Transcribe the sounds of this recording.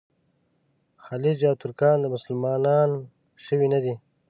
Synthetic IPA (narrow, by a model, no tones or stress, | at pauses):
xalid͡ʒawt̪ʊɾkɑːnd̪əmʊsəlmɑːnɑːn | ʃəwinad̪i